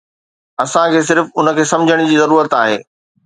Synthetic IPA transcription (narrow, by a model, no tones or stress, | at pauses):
ɐsãkʰeːs̬ɪɾfʊnə̆kʰeːsɐ̃md͡ʑʱəɽ̃d͡ʑiːzɐɾuːɾət̪aːɦḛː